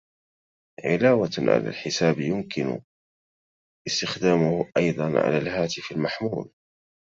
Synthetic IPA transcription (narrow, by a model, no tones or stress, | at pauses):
ʕɪlaːwaʕa̰la̰ːlħɪsaːbjʊmkɪnʊ̰ | ʔɪst̪ɪxd̪aːmʊhʔɑjd̪ˤɑnʕa̰laːlhaːt̪ɪfalmaħmuːl